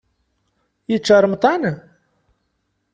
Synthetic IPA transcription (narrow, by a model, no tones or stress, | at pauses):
jət͡ʃːɑɾˤmt̪ˤɑn